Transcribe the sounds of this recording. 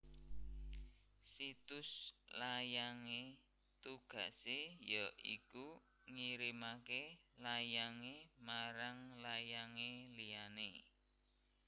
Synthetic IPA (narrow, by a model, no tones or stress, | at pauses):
sit̪ʊslajaŋe | t̪uɡ̥a̤̰ʔsejɔʔḭku | ŋiɾimakelajaŋemaɾaŋlajaŋelijane